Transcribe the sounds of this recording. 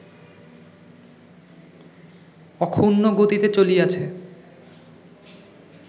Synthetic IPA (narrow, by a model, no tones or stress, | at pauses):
ɔkʰunːoɡot̪it̪et͡ɕoliat͡ɕʰe